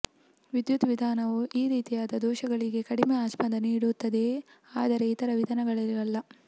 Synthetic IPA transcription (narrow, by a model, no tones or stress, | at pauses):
ʋid̪jut̪ʋid̪ʱaːnɐʋuʔiːɾiːt̪ijaːd̪ɐd̪ɔːʃɐɡɐɭiɡe̞kɐɽimeaːʃpɐnd̪ɐniːɽut̪ːɐd̪e̞ | aːd̪ɐɾe̞it̪ɐɾɐʋid̪ʱɐnɐɡɐɭɐɾɐlːɐ